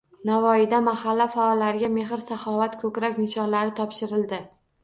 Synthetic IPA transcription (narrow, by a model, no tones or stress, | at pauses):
navɒɪd̪amahalːafaɒlːaɾɪɡʲame̞ɦɪɾsaχɒvat̪kʰɵkʲɾakʲnɪʃɒnlaɾɪt̪ʰɒpʃɪɾɪld̪ɪ